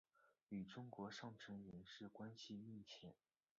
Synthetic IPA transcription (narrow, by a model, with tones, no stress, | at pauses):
y˨˩ʈ͡ʂʊ˥ŋkwɔ˧˥ʂɑ˥˩ŋʈ͡ʂʰə˧˥nɥɛ˧˥nʂɻ̩˥˩kwa˥nɕi˥˧mi˥˩t͡ɕʰjɛ˨˩˦n